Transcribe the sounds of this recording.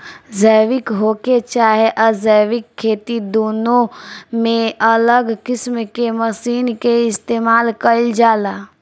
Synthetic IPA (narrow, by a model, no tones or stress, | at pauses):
zəʋɪkɦoːket͡ʃaːɦeʔəzəʋɪkʰːeːt̪id̪oːnõmẽələɡkɪsmkeməsiːnkeɪst̪eːmaːlkəld͡ʒaːlaː